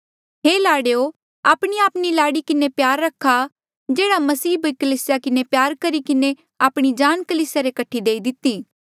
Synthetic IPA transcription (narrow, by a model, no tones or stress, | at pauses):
ɦeːlaːɽejo | aːpɽ̃iaːpɽ̃ilaːɽikɪnepjaːɾːɐkʰːa | d͡ʒeːɽamɐsiːbɐikɐliːsɪjakɪnepjaːɾkɐɾikɪne | aːpɽ̃id͡ʒaːnkɐliːsjaɾekɐʈʰːid̪eːid̪ɪt̪ːiː